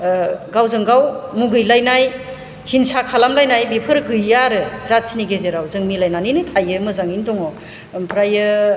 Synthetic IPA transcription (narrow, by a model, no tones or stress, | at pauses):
ɡawzɯŋɡawmuɡɯjlajnaj | hinsakʰalamlajnajbipʰɯɾɡɯjːaɾɯzat̚siniɡezeɾawzɯŋmilajnaninɯtʰajɯmɯzaŋindɔŋɔ | mpʰɾajɯ